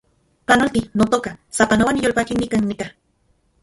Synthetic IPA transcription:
panolt̪inot̪okasapanawanjolpakinɪkaŋnɪka

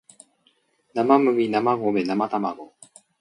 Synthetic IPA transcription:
namamɯŋinamaɡomenamat̪amaɡo

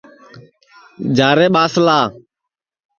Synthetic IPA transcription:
d͡ʒaːɾeːɓaːslaː

